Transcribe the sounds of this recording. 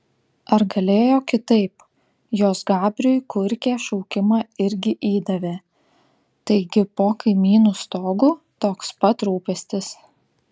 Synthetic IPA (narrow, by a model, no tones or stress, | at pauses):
ɐɾɡɐlʲeːjoːkʲɪt̪ɐɪp | joːsɡɑːbʲɾʲʊjkʊɾʲkʲeːʃɒʊkʲɪmɑːɪɾʲɡʲɪʔiːd̪ɐʋʲeː | t̪ɐɪɡʲɪpoːkɐɪmʲiːnuːst̪oːɡuː | t̪oːkspɐt̪ɾuːpʲɛsʲt̪ʲɪs